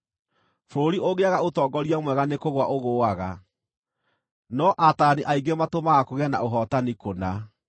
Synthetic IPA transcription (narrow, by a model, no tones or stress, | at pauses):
foɾoɾioɣeaɣaotɔːɡɔɾiamwɛɣanekoɣwaʔoɣoːaɣa | nɔʔataniʔaiɡematomaɣakoɣeana̰ʔoɦɔtanikona